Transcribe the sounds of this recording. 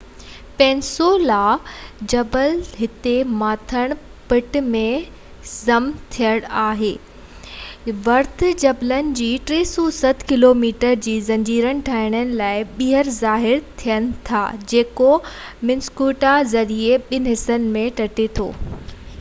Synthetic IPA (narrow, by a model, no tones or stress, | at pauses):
pɛ̃ːnsolad͡ʑɐbəlɦɪt̪emaːt̪ʰəɽ̃pɪʈmẽ | zɐmt̪ʰijəɽ̃aːɦeː | ʋɐɾt̪ʰd͡ʑɐblənɪ̆d͡ʑiːʈɾeːsosɐt̪ʰkɪloːmiːʈəɾd͡ʑiːzɐ̃ɲd͡ʑiːɾəɽ̃ɪ̆ʈʰaːɪɽ̃ənɪ̆laːɪɓiːɦəɾzaːɦɪɾt̪ʰijəñɪ̆t̪ʰa̰d͡ʑeːkomɪnskuːʈazɐɾieɓɪnɪ̆ɦɪsənɪ̆mẽʈɐʈet̪ʰo̰ː